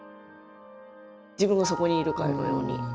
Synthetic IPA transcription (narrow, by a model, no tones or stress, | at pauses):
d͡ʑibɯ̟̃ŋɡaso̞ko̞ɲ̟iːɾɯ̟kano̰jo̰ːɲʲḭ